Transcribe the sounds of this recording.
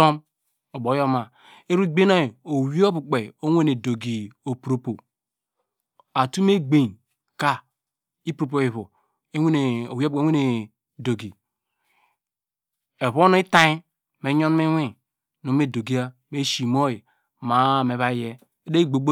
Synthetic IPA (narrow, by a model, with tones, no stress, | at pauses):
o˦m | o˨bo˨˦jo˦ma˨ | e˦ɾu˦ɡ͡be˦na˦˨o˨wi˦o˦bu˨k͡pe˨o˦wʷe˦ne˨do˨ɡi˨o˨pɾo˨po˨ | a˨tu˦me˦ɡ͡be˨n | ka˦ | i˦pɾo˨p̬o˨i˨βo˨˦˨ | o˨wi˦b̚u˨e˨˦we˦ne˨ | do˨ɡi˨ | e˨βo˦no˦i˦ta˦i˦ | me˨˦ɲo˦n˦e˦wʷe˦˨ | no˨˦me˦˨do˨ɡi˦a˦ | me˦ʃi˨mo˦je˨ | ma˨me˨βa˦je˦ | e˦de˦i˦˨ɡ͡bo˨ɡ͡bo˦